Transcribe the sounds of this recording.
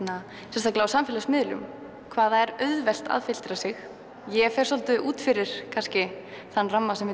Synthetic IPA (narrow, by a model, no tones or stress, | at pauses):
na | sɛst̪aklaawsamfɪlasmɪðlʏ̰m | kʰvaːðaɛɾœɥðvɛl̥t̪a̰ðfɪl̥t̪ɾasɪx | jɛfɛɾ̥sɔlt̪ʏʔuːt̪fɪɾɪɾ̥kʰanscɪ | θanːramːasɛmvɪ